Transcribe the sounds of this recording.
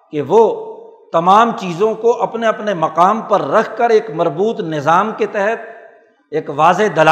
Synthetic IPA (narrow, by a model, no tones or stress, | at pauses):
keʋot̪ɐmaːmt͡ʃiːzõkoʔɐpneɐpnemɐqaːmpɐɾːɐkʰkəɾeːkmɐɾbuːt̪nɪzaːmket̪ɛɦɛt̪̚ | eːkʋaːzed̪ɐlː